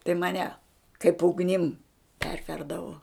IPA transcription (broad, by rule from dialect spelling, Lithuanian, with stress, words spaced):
tɐɪ mɐˈnʲɛ kɐɪp ʊɡˈnʲɪm ˈpʲɛrʲʋʲɛrdɐʋoː